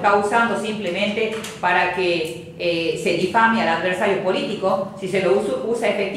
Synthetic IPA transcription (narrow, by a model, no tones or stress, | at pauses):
t̪ausand̪osimplemẽnt̪e | paɾake | seðifamialaðβeɾsaɾjopolit̪ikosiseloususaefek̚t̪